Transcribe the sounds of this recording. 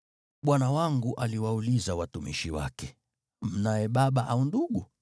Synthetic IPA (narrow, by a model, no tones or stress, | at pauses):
ɓwanawaŋɡuʔaliwaulizawatumḭʃiwa̰kɛ | m̩najɛɓaɓaʔaunduɡu